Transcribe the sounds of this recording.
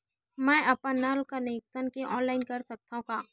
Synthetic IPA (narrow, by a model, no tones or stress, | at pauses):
mɛ̃ːɐpanːaːlkaneksənkeʔɔːnlaːɪnkɐɾsɐk̚t̪aɦũkaː